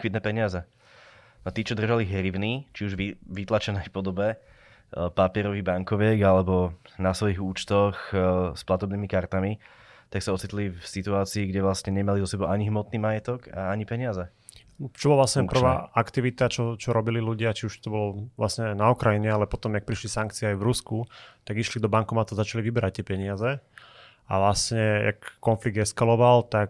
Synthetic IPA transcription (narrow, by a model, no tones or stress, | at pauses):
kʋid̪nɛpɛɲɪazɛ | nat̪iːt͡ʃɔd̪r̩ʒaliɦɾiʋnit͡ʃiuʒʋiʋit̪lat͡ʃɛnɛjpɔd̪ɔbɛ | papɪɛɾɔʋiːbaŋkɔʋɪɛɡalɛbɔnasʋɔiɣuːt͡ʃt̪ɔxsplat̪ɔbniːmikaɾt̪ami | t̪aksaɔt͡sit̪lifsit̪uaːt͡siːɡɟɛʋlastɲɛɲɛmalizɔsɛbɔʊʔaɲiɦmɔt̪niːmajɛt̪ɔɡaaɲipɛɲɪazɛ | t͡ʃɔbɔlaʋlasɲɛpr̩ʋa̰ʔakt̪iʋit̪at͡ʃɔt͡ʃɔɾɔbililuɟɪat͡ʃiuʃt̪ɔbɔlɔʋla̰sɲɛnaukɾajiɲɛalɛpɔt̪ɔmjak̚pɾiʃlisaŋk̚t͡siɛajvɾuskut̪aɡiʃlid̪ɔbaŋkɔmat̪ɔzat͡ʃaliʋibɛɾac̚t̪ɪɛpɛɲɪazɛ | a̰ʋlast̪ɲɛja̰kːɔnfliɡ̚d̪ɛskalɔʋalt̪ak